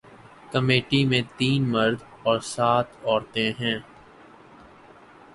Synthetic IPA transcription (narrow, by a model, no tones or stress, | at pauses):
kəmeːʈimẽt̪iːnməɾd̪ʱ | ɔːɾsaːt̪ʰɔːɾt̪ẽɦɛ̃ː